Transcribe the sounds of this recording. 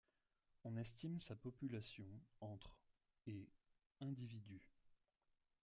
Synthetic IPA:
ɔ̃nɛst̪imsapɔpylasjɔ̃ɑ̃t̪χ | e | ɛ̃d̪ivid̪y

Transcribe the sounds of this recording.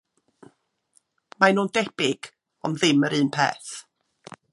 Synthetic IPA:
majnuːndɛb̥ɪɡ̥ | ɔ̰nðɪməɾɨːnpʰḛːθ

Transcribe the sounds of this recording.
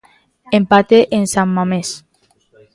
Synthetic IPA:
empat̪eʔensamːames

